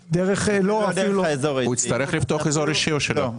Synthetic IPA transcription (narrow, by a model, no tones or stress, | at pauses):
d̪eʁeχloafiluzoʁuit͡st̪ɐɾeχlift̪oaχezoɾiʃioʃelo